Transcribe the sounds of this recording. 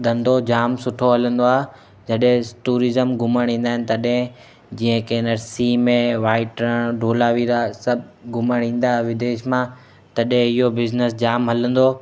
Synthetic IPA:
d̪ɐ̃nd̪ʱod͡ʑaːmsʊʈʰoɦɐlə̃nd̪oaːɦe | d͡ʑɐɗɦɪ̃ʈuːɾizəmɡʱʊməɽ̃ɦĩːn̆d̪aːɦɪnɪ̆t̪ɐɗɦɪ̃ | d͡ʑĩːə̃keːnəɾsimẽʋaːɪʈɾəɽɖʱoːlaːʋiɾasɐbʱɡʱʊməɽ̤̃ĩːn̆d̪aːɦʋɪd̪eːʃmã | t̪ɐɗɦẽɪɦobɪznəsd͡ʑaːmɦɐlə̃nd̪oː

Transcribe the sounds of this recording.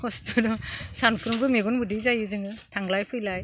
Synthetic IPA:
kʰɔstudɔsanpʰɯɾɯmbɯmeɡunbɯdijzajɯzɯŋɯtʰaŋlajpʰɯjlaj

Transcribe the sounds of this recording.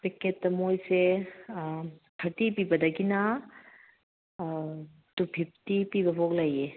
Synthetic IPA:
pikːetːɐmojse | kʰɐtipibɐdɐɡina | tupʰip̚tipibɐbʱoklɐje

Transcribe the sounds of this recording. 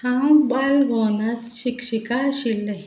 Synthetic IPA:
hãwbalbʱɔnat̪ɕikɕikaɕilːe

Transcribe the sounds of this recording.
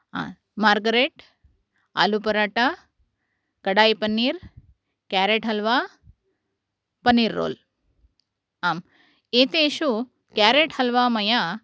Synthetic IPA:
a̰ | maːɾɡɐɾeːʈ | a̰ːlupɐɾaːʈa | kɐɽaːjpɐnːiːɾ | kjaːɾeːʈɦɐlʋaː | pɐnːiːɾːo̰ːl | aːm | eːt̪eːʃu | kjaːɾeːʈhɐlʋaːmɐjaː

